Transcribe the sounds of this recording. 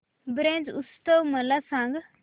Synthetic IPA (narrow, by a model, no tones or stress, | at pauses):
bɾẽːnd͡ʒʊst̪əwməlasãːŋɡ